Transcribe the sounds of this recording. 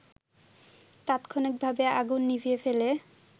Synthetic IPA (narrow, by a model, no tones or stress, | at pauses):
t̪at̪kʰonik̚bʱabeaɡunːifiefele